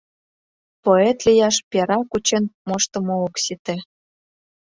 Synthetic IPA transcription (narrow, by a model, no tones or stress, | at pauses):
poet̪lʲijɑʃpʲeɾɑkut͡ɕenmoʃt̪ə̆mooksit̪ĕ